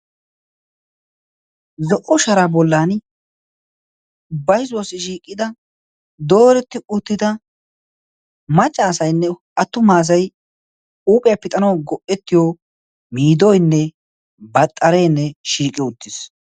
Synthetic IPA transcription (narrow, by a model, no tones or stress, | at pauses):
zɔʔɔʃɐɾabɔlːaːn | ʊbɐjzoːsɪʃiːkʼːɪd̪ɐ | d̪o̞ːɾɛt̪ːɪʊt̪ːɪd̪ɐ | mɐt͡ʃʼːaːsɐjnːɛ | ɐt̪ːʊmaːs̬ɐj | uːpʼɛjapːɪt̪ʼɐnɐwɡɔʔɛt̪ːɪjo | miːd̪ɔjnːɛ | bɐt̪ʼːɐɾeːnːɛʃiːkʼːɪjɔʊt̪ːɪs